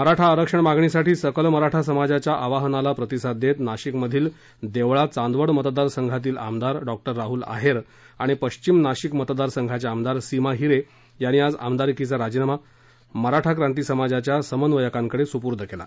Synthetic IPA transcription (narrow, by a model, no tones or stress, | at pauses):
məɾaʈʰaəɾəkʂəɳmaɡɳisaʈʰiːsəkəlməɾaʈʰas̬əmad͡zat͡ɕjaʔaʋaɦənalapɾət̪isad̪et̪naɕikməd̪ʱiːl | d̪eʋɭat͡sand̪ʋəɽmət̪d̪aɾsəŋɡʱat̪̬iːla̰md̪aɾɖɔk̚ʈəɾːaɦuːla̰ɦeɾ | aɽ̃ipəɕt͡ɕimnaɕikmət̪d̪aɾsəŋɡʱat͡ɕaamd̪aɾsimaɦiɾe | janiːad͡za̰md̪aɾikit͡saɾad͡ʑinama | məɾaʈʰakɾãnt̪iːsəmad͡zat͡ɕjasəmənʋəjəkãŋkəɽesupuɾd̪ʱəkela̰